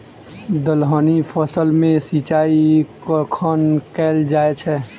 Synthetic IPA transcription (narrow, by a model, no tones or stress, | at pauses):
d̪əlɦəːnipʰəsəlmẽsiːt͡ʃaːikkʰənkɛːld͡ʒaːet͡ʃʰɛː